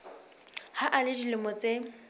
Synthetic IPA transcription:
haʔalɪdilɪmɔt͡sʼe

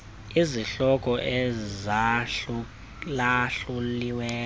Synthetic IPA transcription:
iziɬɔk̬ʼɔʔɛzau | laɬuliwɛː

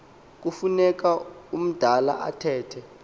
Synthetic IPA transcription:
k̬ufunɛk̬aum̩d̥ʱala̰ʔa̰tʰɛːtʰɛ

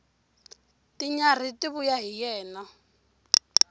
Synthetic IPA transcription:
tʼɪɲar̤itʼɪβʊjaɦijɛːna

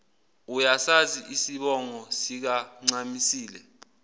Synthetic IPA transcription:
ujasaziʔisiɓɔŋɔsik̬aŋ͡ǀamisiːlɛ

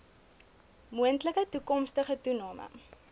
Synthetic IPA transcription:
muəntləkətukɔmstəχətunɑːmʔə̰

